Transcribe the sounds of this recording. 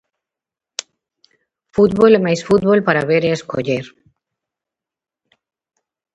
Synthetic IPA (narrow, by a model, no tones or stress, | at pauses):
fut̪̚βolemajsfut̪̚βolpaɾaβeɾeesko̰ʎeɾ